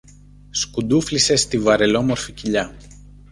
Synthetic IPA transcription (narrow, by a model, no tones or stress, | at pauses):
skud̪uflise̞st̪ivɐɾe̞lo̞mo̞ɾficiʎɐ